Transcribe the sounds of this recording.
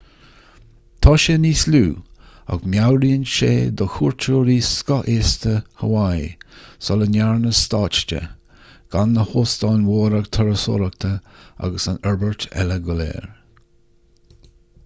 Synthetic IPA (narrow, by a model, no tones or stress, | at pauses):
t̪ʰɑːʃeniːsluː | a̰ɡmjawɾiːənʃḛːd̪ɔxuːɹtʰuːɾiːskɔʔeːst̪əhəwajsɔlənaɹnəst̪ɑːt͡ʃtə̰ | ɡ̥anːəhoːst̪ɑːnwoːɾəɡt̪ʰəɾəso̰ɾək̚t̪ʰəa̰ɡəsanɛɹbəɹt̪ʰɛ̰ləɡɔlɛ̰ːɹ